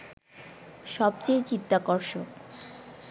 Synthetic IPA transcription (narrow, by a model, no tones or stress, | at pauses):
ʃɔb̚t͡ɕejt͡ɕit̪ːakɔɾʃok